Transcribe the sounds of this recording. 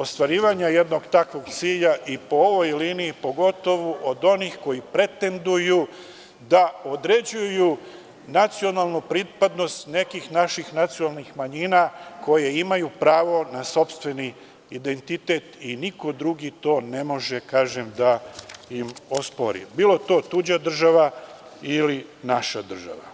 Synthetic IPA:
o̞st̪ʋaɾiːʋaɲaje̞d̪no̞ɡt̪akʋo̞ɡt̪siːʎaʔipo̞oʋo̞jliːniipo̞ɡo̞t̪o̞ʋuʔod̪o̞nixko̞jipɾe̞t̪e̞nd̪uju | d̪aod̪ɾe̞d͡ʑuju | nat̪sio̞naːlˠnupɾit̪pad̪no̞st̪ne̞kixnaʃixnat̪sijonalˠnixmaɲiːnako̞je̞imajupɾaːʋo̞naso̞pst̪ʋe̞ni | id̪e̞nt̪it̪e̞t̪iniko̞d̪ɾuɡit̪o̞ːne̞mo̞ʒekaːʒemd̪aimospo̞ɾḭbiːlo̞t̪o̞ːt̪ud͡ʑad̪r̩ʒaʋa | ilinaʃad̪r̩ʒa̰ʋa̰

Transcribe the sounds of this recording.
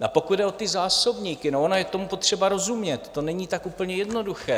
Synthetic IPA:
apo̞kud̪dɛʔot̪ɪzaːso̞bɲiːkɪnoʔonojɛkt̪o̞mupo̞t̪r̝̥ɛbaɾo̞zumɲɛt̪ːo̞nɛɲiːt̪akʔupl̩ɲɛjɛdno̞duxɛː

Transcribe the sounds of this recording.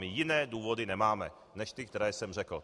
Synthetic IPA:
mijinɛːd̪uːʋɔd̪inɛmaːmɛ | nɛʃt̪ikt̪ɛɾɛːsɛmrɛkl̩

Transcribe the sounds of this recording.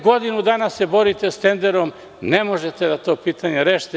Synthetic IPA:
ɡod̪inud̪aːnasebo̞ɾit̪est̪e̞nd̪eɾom | nemo̞ʒet̪ed̪at̪o̞ːpiːt̪aɲeɾeːʃt̪e

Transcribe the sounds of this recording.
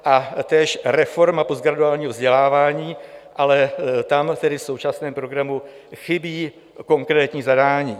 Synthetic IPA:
ʔat̪ɛːʃɾɛfo̞ɾmapozɡɾaduaːlɲiːɦovzɟɛlaːvaːɲiːʔalɛt̪amt̪ɛdɪfso̞wt͡ʃasnɛːmpɾo̞ɡɾamu | xɪbiː | ko̞ŋkɾɛːt̪ɲiːzadaːɲiː

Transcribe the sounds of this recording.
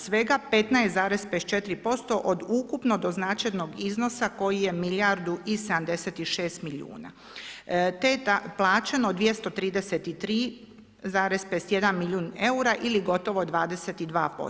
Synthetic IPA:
sʋe̞ɡape̞t̪najst̪zaːɾespest̪̚t͡ʃe̞t̪ɾipo̞st̪o̞ʔod̪ukupno̞d̪o̞znaːt͡ʃajno̞ɡizno̞sako̞jije̞milaɾd̪uʔised̪amd̪e̞set̪iʃeːst̪milṵːna̰ | t̪et̪aplˠaːt͡ʃenod̪ʋje̞st̪o̞t̪ɾiːd̪eset̪it̪ɾiː | zaːɾe̞zpest̪je̞d̪anmiʎuːne̞uɾaʔiliɡo̞t̪o̞ʋo̞d̪ʋaːd̪eset̪id̪ʋa̰ːpo̰

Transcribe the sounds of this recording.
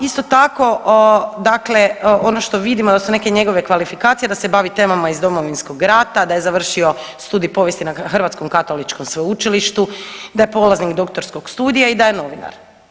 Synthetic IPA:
ist̪ot̪ako̞d̪akle̞o̞noʃt̪o̞ʋid̪imod̪asune̞ke̞ɲe̞ɡo̞ʋe̞kʋalifikaːt̪sije̞d̪ase̞baʋit̪e̞ːmamaizd̪o̞mo̞ʋinsko̞ɡɾaːt̪ad̪ajezaʋr̩ʃio̞ | st̪uːd̪ijpo̞ʋjest̪inaxr̩ʋaːt̪sko̞mkat̪o̞lit͡ʃko̞msʋeut͡ʃiliʃt̪ud̪aje̞po̞lˠaznikd̪o̞kt̪o̞ɾsko̞ɡ̥st̪uːd̪ijaid̪ajeno̞ʋina̰ɾ

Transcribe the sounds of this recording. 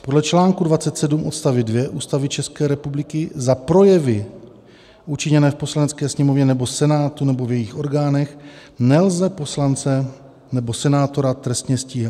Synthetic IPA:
po̞dlɛt͡ʃlaːŋkudvat͡sɛt̪sɛdumʔo̞t̪st̪avɪdvjɛʔuːst̪avɪt͡ʃɛskɛːɾɛpublɪkɪzapɾo̞jɛvɪ | ʔut͡ʃɪɲɛnɛːfpo̞slanɛt͡skɛːsɲɛmo̞vɲɛnɛbo̞sɛnaːt̪unɛbo̞vjɛjixʔo̞ɾɡaːnɛxnɛlzɛpo̞slant͡sɛ | nɛbo̞sɛnaːt̪o̞ɾat̪ɾɛst̪ɲɛsciːɦɛ

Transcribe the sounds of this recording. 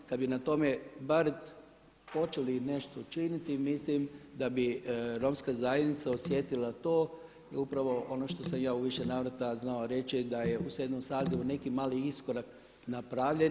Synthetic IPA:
kad̪binat̪o̞me̞baɾ | po̞t͡ʃe̞line̞ʃt̪o̞t͡ʃinit̪imislimd̪abiɾo̞mskazajed̪nit̪saosjet̪ilat̪o̞ː | iupɾaʋo̞ʔono̞ʃt̪o̞samjaːuʋiʃe̞naːʋɾat̪aznaoɾe̞t͡ʃid̪aje̞usjed̪nomsaːziʋune̞kimaːliisko̞ɾak | napɾaʋʎen

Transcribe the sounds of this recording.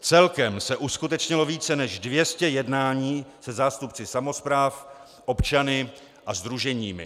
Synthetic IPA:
t͡sɛlkɛmsɛʔuskut̪ɛt͡ʃɲɪlo̞viːt͡sɛnɛʒdvjɛscɛjɛdnaːɲiːsɛzaːst̪upt͡sɪsamo̞spɾaːf | ʔo̞pt͡ʃanɪ | ʔazd̪ɾuʒɛɲiːmɪ̰

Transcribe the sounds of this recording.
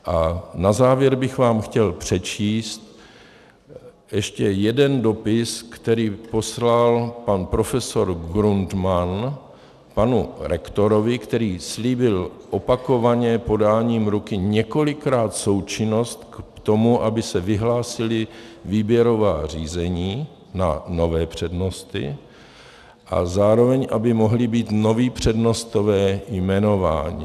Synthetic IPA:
ʔanazaːvjɛɾbɪxvaːmxcɛlpr̝̥ɛt͡ʃiːst̪̚ | jɛʃcɛjɛdɛndo̞pɪskt̪ɛɾiːpo̞slalpanpɾo̞fɛso̞ɾɡɾunt̪man | panuɾɛkt̪o̞ɾo̞vɪkt̪ɛɾiːsliːbɪlʔo̞pako̞vaɲɛpo̞daːɲiːmɾukɪɲɛko̞lɪkɾaːt̪so̞wt͡ʃɪno̞st̪kt̪omuʔabɪsɛvɪɦlaːsɪlɪviːbjɛɾo̞vaːriːzɛɲiː | nano̞vɛːpr̝̥ɛdno̞st̪ɪ̰ | ʔa̰zaːɾo̞vɛɲʔabɪmo̞ɦlɪbiːt̪no̞viːpr̝̥ɛdno̞st̪o̞vɛːjmɛno̞va̰ːɲḭ

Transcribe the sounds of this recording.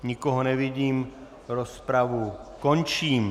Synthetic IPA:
ɲɪkoɦonɛvɪɟiːm | ɾospɾavukont͡ʃiːm

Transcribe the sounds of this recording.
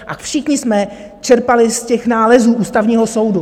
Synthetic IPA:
ʔafʃɪxɲɪsmɛ | t͡ʃɛɾpalɪscɛxnaːlɛzuːʔuːst̪avɲiːɦo̞so̞wdu

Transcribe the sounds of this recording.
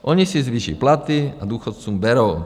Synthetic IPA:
ʔɔɲisizʋiːʃḭplat̪iad̪uːxɔt̪t͡suːmbɛɾɔʊ

